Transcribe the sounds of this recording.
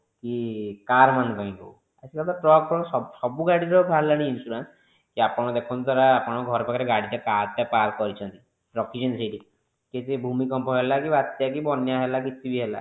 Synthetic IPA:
kikaɾmanupaĩkow | asikat̪ɔʈɾɔk̚pɔsɔsɔbuɡaɽiɾɔkʰaɾlañiːnsuɾans | kiapɔɽ̃ɔd̪ekʰɔnd̪aɾaːpɔɽ̃ɔɡʱɔɾɔpakʰaɾeɡaɽitakaɾtapaɾkɔɾit͡ʃʰɔnt̪i | ɾɔkid͡ʒensiʈi | ket̪ibʱumikɔmpɔɦelakibat̪jakibɔnjaɦelakit̪ibiɦela̰

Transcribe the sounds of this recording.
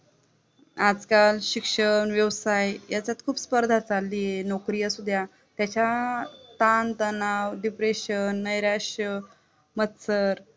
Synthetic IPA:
ad͡zkalɕikʂəɳʋjəʋsajjat͡ɕjat̪kʰuːpspəɾd̪ʱat͡salːijenokɾijəsud̪ʱja | t̪jat͡ɕat̪ant̪ənawɖipɾeɕənːəjɾaʂə | mət̪səɾ

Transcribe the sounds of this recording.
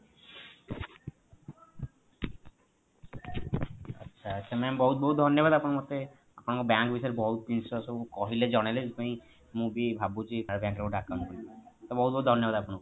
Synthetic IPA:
ətːʃʰaɐtːʃʰamɛmbɔɦut̪̚bɔɦut̪d̪ʱɔnːjobad̪apnaɾmɔt̪ːe | apnakobaŋkbisɔɾebɔɦut̪̚insosobkɔɦiled͡ʒɔnaliseĩ | mubibʱabud͡ʒikaeɾbãŋkɾeoɖakːaonkoɾit̪ɔbɔɦut̪̚bɔɦut̪d̪ʱɔnjobad̪apunak

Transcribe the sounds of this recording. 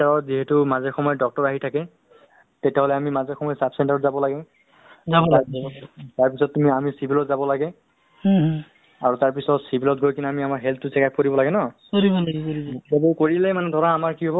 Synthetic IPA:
aɹɔziɦetumazɛxɔmɔjɔdɔk̚tɔɹaɦitʰakɛ | tetɛɦolɛamimazɛxɔmɔjɔsapʰsɛntaɹɔtzabɔlaɡɛ | zaɔa | taɹpisɔtːumiamisibʱilɔtzabɔlaɡɛ | aɹutaɹpisɔtsibʱilɔt̚ɡʱojkinamiamaɹɦɛltʰtːʊsɛkak̚koɹibɔlaɡɛnɔkoɹibɔlakoibɔebukoɹilɛmanɛdʱɔɹɔnamaɹkiɦɔbɔ

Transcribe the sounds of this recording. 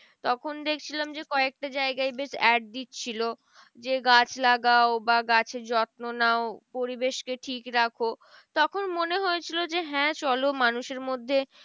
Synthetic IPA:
t̪ɔkʰond̪ekʰt͡ɕʰilamd͡ʑekɔek̚ʈad͡ʑaeɡaebesɛɖ̚d̪it̪t͡ɕʰilo | d͡ʑeɡat͡ɕʰlaɡaobaɡat͡ɕʰed͡ʑɔt̪̚nonaopoɾibeʃkeʈʰikɾakʰo | t̪ɔkʰonmoneɦoet͡ɕʰilod͡ʑeɦɛ̃t͡ɕɔlomanuʃeɾmod̪ʱːe

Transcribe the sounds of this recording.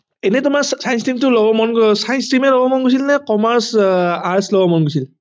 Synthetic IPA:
enɛtʊmaksajnstimtʊlɔbɔmɔnɡsajnstimɛlɔbɔmɔnɡojs̬ilnɛkɔmaɹsaɹslɔbɔmɔnɡosil

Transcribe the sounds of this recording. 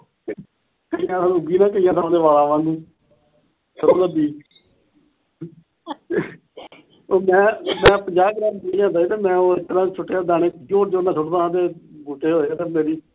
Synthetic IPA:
kəijãːt̪ʰaːnũːɡiːnãːkəijãːt̪ʰaːõːd̪eːʋaːlãːʋãːnd̪iː | səɾoːd̪əd̪iː | oːmɛ̃ːmɛ̃ːpəd͡ʒaːkɾaːmmejãːt̪aːiːt̪eːmɛ̃ːoːɪt̪ːəɾãːt͡ʃʰoʈːeːaːd̪aːɽeːd͡ʒoːʈd͡ʒoːnãːt͡ʃʰʊʈd̪ãːãt̪eːbuːʈeːɦoːaːt̪eːmeːɾiː

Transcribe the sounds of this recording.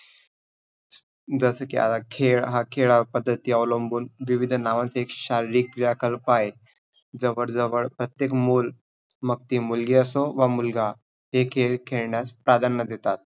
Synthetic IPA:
d͡zəsəkḭa̰t̪akʰeɭɦakʰeɭapəd̪ʱːət̪iːəʋləmbuːnʋiʋid̪ʱnaʋãnt͡səekɕaɾiɾiːk̚ːɾijakəlpaj | d͡zəʋəɽd͡zəʋəɭpɾət̪jekmul | mək̚t̪iːmulɡiːəsoʋamulɡa | ɦekʰeɭkʰeɭɳjaspɾad̪ʱanːəd̪et̪at̪̚

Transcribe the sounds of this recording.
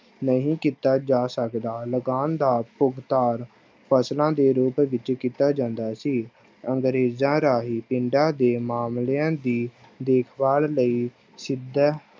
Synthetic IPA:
nəɦĩːkiːt̪aːd͡ʒaːsəkd̪aːləɡaːnd̪aːpʊɡt̪aːɾ | pʰəslãːd̪eːɾuːpʋɪt͡ʃkiːt̪aːd͡ʒãːnd̪aːsiː | əŋɡɾeːzãːɾaːɦiːpɪɳɖãːd̪eːmaːmleãːd̪iː | d̪eːkʰʋaːlləiː | sɪd̪

